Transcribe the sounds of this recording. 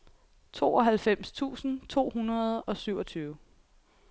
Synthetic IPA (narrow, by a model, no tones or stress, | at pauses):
t͡sʰo̝̰ːɒ̽ɦælfem̰st͡sʰṵːsn̩t͡sʰo̝̰ːhunɐð̞ˠɒ̽syʊ̰ɒ̽t͡sʰyːʊ